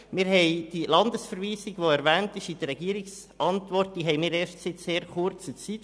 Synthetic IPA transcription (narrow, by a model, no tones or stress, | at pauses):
mɪɾhɛɪd̥ilɑndəsfəɾʋiːsiɡʋoɛɾʋæːntɪʃid̥̪əɾɛɡ̥iːɾiks | ʔɑntʋɔrt̚d̥iːɦɛɪmɪːɾeːʃtsɪt͡sseːɾχʊɾt͡sət͡sit̪